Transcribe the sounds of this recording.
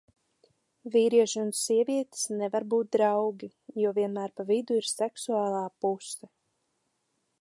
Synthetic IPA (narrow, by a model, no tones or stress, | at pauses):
viːɾiɛʃunsiɛviɛt̪snɛvaɾbuːt̪̚d̪ɾawɡʲi | juɔviɛnmæːɾpavid̪uiɾsɛksuaːlˠaːpusɛ